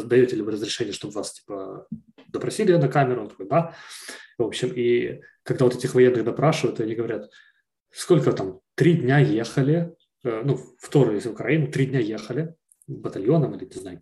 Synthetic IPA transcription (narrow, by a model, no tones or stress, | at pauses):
d̪ɐjotʲɪlʲɪvɨɾəzɾʲɪʂɛnʲɪjəʂt̪obvastʲi̥pə | d̪əpɾɐsʲilʲɪnɐkamʲɪɾʊt̪ɐkojd̪a | vo̞pɕɪmi | kɐɡd̪avot̪ɛtʲɪxvɐjenːɨxd̪ɐpɾaʂɨvəjʊt̪ɐnʲiɡəvɐɾʲat̪ | sko̞lʲkət̪amt̪ɾʲidʲnʲajexəlʲɪ | ənuft̪oɾʊjesʲɪvʊkɾɐinʊt̪ɾʲidʲnʲaje̞xəlʲɪ | bət̪ɐlʲjo̞nəmilʲɪnʲɪznajʊ